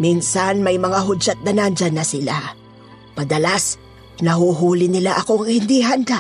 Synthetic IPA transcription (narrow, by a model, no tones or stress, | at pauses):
minsɐnmɐjmɐŋaɦʊd͡ʒat̪̚nɐnand͡ʒanːɐsɪla | pɐd̪ɐlas | nɐɦuɦuːlɪnɪlaʔɐko̞ŋhɪnd̪iɦɐnd̪aʔ